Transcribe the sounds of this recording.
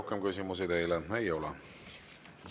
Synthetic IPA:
hkemkysʲimus̬id̪e̞jleejo̞lɛ

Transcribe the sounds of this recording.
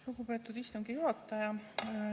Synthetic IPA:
luɡ̥upe̞ːt̪ːˑud̪ist̪uŋɡ̥ijuhɑt̪ˑːɑjɑ

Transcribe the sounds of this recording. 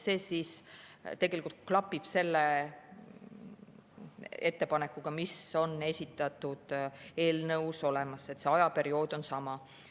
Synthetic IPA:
se̞ːsiːst̪e̞ɡ̥e̞likult̪̚klɑpːib̥se̞lːe | e̞t̪ːe̞pɑne̞kːˑuɡ̥ɑmiso̞nːe̞sʲit̪ːˑɑt̪ud̪̥e̞ːlnɤwso̞le̞mɑse̞t̪se̞ɑjɑpe̞ɾio̞ːd̪̥o̞nsɑmɑ

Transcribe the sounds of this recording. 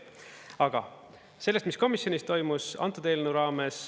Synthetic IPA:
ɑɡ̥ɑ̰ | se̞lːest̪misko̞misjo̞nist̪o̞jmusɑ̰nt̪ːˑud̪elnuɾɑːme̞s

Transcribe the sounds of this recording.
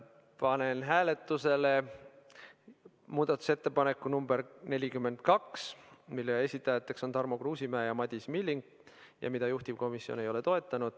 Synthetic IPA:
pɑne̞nɦæːle̞t̪ːˑuse̞le | muːd̪̥ɑt̪ːˑu̥se̞t̪ːe̞pɑne̞kːˑunumbe̞ɾne̞lʲikymːe̞nd̪̥̚kɑksmilːeesʲit̪ːˑɑjɑt̪ːˑe̞kso̞nt̪ɑrmokruːsimæːjɑmɑd̪̥ʲismilʲːiŋɡ | jɑ̰mid̪̥ɑjuht̪ivko̞misːio̞̰ne̞jo̞le̞t̪o̞e̞t̪ːˑɑnud̪̥

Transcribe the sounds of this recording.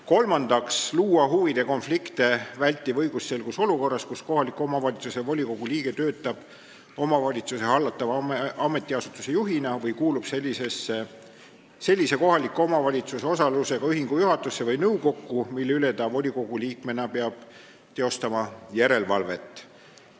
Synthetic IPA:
ko̞lmɑnd̪̥ɑksluːɑɦuvid̪̥e̞ko̞nflikt̪e̞vælʲt̪ːˑivɤ̞jɡ̥usːe̞lɡuso̞luko̞rːɑskusko̞ɦɑlikːuo̞mɑvɑlʲit̪susevo̞lʲiko̞ɡ̥uliːɡ̥e̞t̪ø̞ːt̪ːˑɑb̥ | o̞mɑvɑlʲit̪suse̞hɑlːɑt̪ːˑɑvɑme̞t̪ʲːˑiɑsut̪ːˑu̥se̞juɦinɑvɤjkuːlub̥se̞lʲːise̞sːe | se̞lʲːise̞ko̞ɦɑlikːˑuo̞mɑvɑlʲit̪suse̞o̞sɑluse̞ɡ̥ɑyɦiŋɡujuɦɑt̪ːˑusːe̞vɤjnɤwko̞kːumilːyle̞t̪ɑvo̞lʲiko̞ɡ̥uliːk̚me̞nɑpeɑb̥̚ | t̪eo̞st̪ɑmɑjæɾe̞lvɑ̰lve̞̰t̪ːˑ

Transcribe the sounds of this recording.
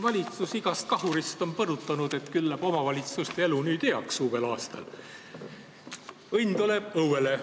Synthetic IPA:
vɑlʲit̪susiɡ̥ɑst̪̚kɑɦuɾist̪o̞npɤrut̪ːˑɑnud̪̥e̞t̪kylːæb̥o̞mɑvɑlʲit̪sust̪eelunyːd̪̥eɑksuːbe̞lɑːst̪ɑ̰l | ɤjnʲt̪ule̞b̥ɤwele̞

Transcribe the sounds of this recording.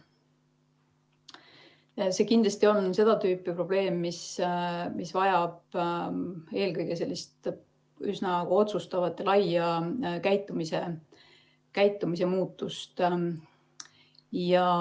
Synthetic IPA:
se̞kind̪lɑst̪io̞nse̞d̪̥ɑt̪yːpːˑipro̞b̥le̞ːmːis | misvɑjɑb̥̚ | e̞ːlkɤjɡ̥e̞s̬e̞lːist̪ | ysnɑkɑo̞t̪sust̪ɑvɑt̪ːˑelɑjɑkæjt̪ːˑumise | kæjt̪ːˑumise̞muːt̪ːˑust̪ | jɑ

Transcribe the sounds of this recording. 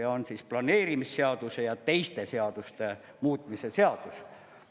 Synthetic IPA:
ɑonsisplɑne̞ːɾimisːe̞ɑd̪̥use̞jɑt̪e̞jst̪e̞se̞ɑd̪̥ust̪e̞ | muːt̪ˑmise̞seɑd̪̥us

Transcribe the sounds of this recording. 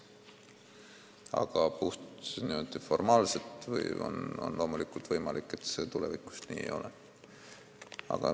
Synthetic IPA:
ɑ̰ɡ̥ɑpuht̪sniøtd̪ifo̞rmɑːlset̪vɤ̰jo̰no̰nlʔo̞ːmulikult̪vɤjmɑlʔikːˑe̞t̪se̞ːt̪ulevikːˑu̥snḭːḛjo̞lʔe | ɑ̰ɡ̥ɑ

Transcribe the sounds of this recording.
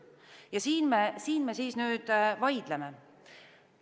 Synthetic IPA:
jɑsiːnmesiːnme̞siːsnyːd̪̥vɑjd̪̥leme̞

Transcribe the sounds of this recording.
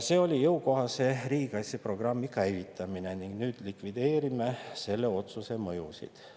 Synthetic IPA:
se̞ːo̞lʲijɤuko̞ɦɑse̞riːɡ̥ɑsʲepro̞ɡ̥rɑmːikæjvit̪ːˑɑmine̞niŋɡ̥nyːd̪̥likvid̪e̞ːɾimese̞lːeo̞t̪suse̞mɤjusḭd̪̥

